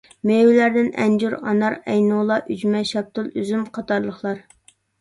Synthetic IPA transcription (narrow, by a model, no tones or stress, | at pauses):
mewlæɾd̪ɪnɛ̰nd͡ʒuɾɑ̰nɑɾɛjnulˠɑʔyd͡ʒmɛʃɑp̚t̪ulˠyzymqʰɑt̪ʰɑɾlˠəχlˠɑɾ